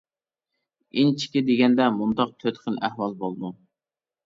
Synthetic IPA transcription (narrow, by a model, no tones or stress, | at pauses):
int͡ʃʰi̥kʲɪd̪eɡʲɛnd̪ɛmund̪ɑq̚t̪ʰøt̪qənʔæhwɑlˠbolˠd̪u